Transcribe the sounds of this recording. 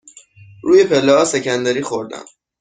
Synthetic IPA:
ɾuːjepʰelːɛhɒːsecʰænd̪æɾiːxoɾd̪æ̰m

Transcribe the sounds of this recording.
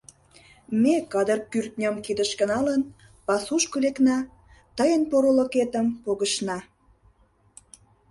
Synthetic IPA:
mekɑd̪ərkyrt̪̚nʲəmkid̪əʃkə̆nɑlən | pɑsuʃkoleknɑ | t̪əjənpoɾoloket̪əmpoɣəʃnɑ

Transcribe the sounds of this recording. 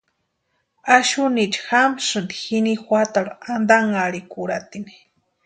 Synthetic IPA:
aʃunit͡ʃxamsɨnd̪i̥xinixʷat̪aɾaand̪aŋaɽikuɾat̪ini̥

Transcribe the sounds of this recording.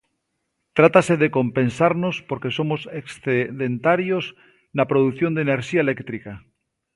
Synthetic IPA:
t̪ɾat̪ase̞ðeko̞mpẽ̞nsaɾno̞spoɾke̞so̞moseksθeðe̞nt̪aɾjo̞z | napɾoð̞uθjond̪ene̞ɾʃiaelekt̪ɾika

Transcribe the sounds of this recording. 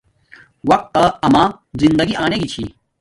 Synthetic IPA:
wɐq̚t̪ːɐɐma | zind̪ɐɡiʔaːneɡit͡ɕʰḭ

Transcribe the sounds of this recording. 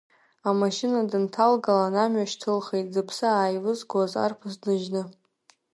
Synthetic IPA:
amaʃɪnadɨntʰalɡalanamɥaʃtʰɨlχejt̚zɨpʰsɨaːjlɨzɡaza̰rpʰɨzdɨʒnɨ

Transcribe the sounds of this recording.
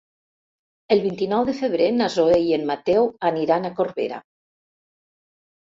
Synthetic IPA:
əlˠβint̪inɔwðəfəβ̞ɾenazoejenmat̪ɛwaniɾanakoɾβḛɾa̰

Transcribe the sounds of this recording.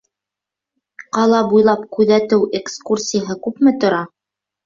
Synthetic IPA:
qɑlˠɑbujlˠɑpkʉðæt̪ɘwʔekskursʲijəɦɤkʉpmɘt̪ŏɾɑ

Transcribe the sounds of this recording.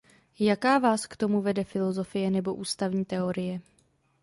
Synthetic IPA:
jakaːvaːskt̪o̞muvɛdɛfɪlo̞zo̞fɪjɛnɛbo̞ʔuːst̪avɲiːt̪ɛo̞ɾɪjɛ

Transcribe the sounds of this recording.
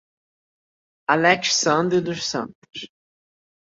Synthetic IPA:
alɛksɐ̃nd̪ɾɪd̪ʊʃsɐ̰̃nt̪ʊ̥s

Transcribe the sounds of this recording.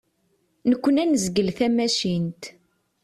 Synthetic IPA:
nəkʷːənænəzɡəlθæmæʃint̪

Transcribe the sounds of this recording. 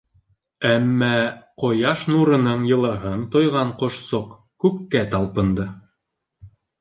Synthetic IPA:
æmːæqŏjɑʃnuɾɤ̆nɤɴjɤ̆lˠɤ̆ɦɤnt̪ŏjʁɑɴqŏʃsoq | kʉkːæt̪ɑlˠpɤ̆nd̪ɤ

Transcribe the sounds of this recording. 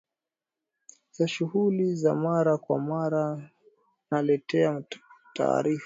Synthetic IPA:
z̥aʃuhulizamaɾakwa̰maɾa | nalɛtɛatʰa̰ːɾif

